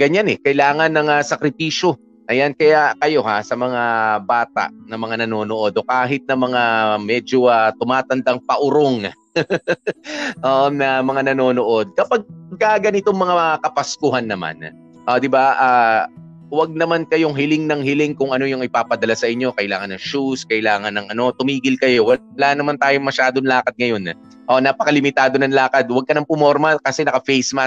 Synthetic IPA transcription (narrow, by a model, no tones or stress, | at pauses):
ɡɐɲanɛkɐɪlaːŋɐnːɐŋasɐkɾɪpiːʃo̞ | ʔɐjankɐjakɐjo̞ɦasɐmɐŋabaːt̪a̰ʔnɐmɐŋanɐno̞ːnoʔo̞d̪o̞kaːɦɪt̪̚nɐmɐŋamɛːd͡ʒo̞ʔat̪ʊmaːt̪ɐnd̪aŋpɐʔʊɾoŋ | ʔoːʔonɐmɐŋanɐno̞ːnoʔo̞d̪̚kɐpaɡ̚ɡ̚kaɡɐnɪt̪oŋmɐŋaakɐpɐskʊhɐnːɐma̰n | ʔod̪ɪbaʔaː | wɐɡ̚nɐmankɐjoŋɦɪlɪŋnɐŋhɪlɪŋkʊŋʔɐno̞jʊŋɪpaːpɐd̪ɐlasɐʔɪɲːo̞kɐʔɪlaːŋɐnːɐŋʃuskɐʔɪlaːŋɐnːɐŋʔɐno̞t̪ʊmiːɡɪlkɐjo̞wɐwɐlaːnɐmant̪aːjo̞mɐʃaːd̪oŋlaːkɐd̪̚ŋɐjo̞n | ʔonaːpɐkɐlɪmɪt̪aːd̪o̞nɐŋlaːkɐd̪̚wɐɡ̚kɐnɐmpʊmoɾmɐkɐsɛnɐkɐfejsma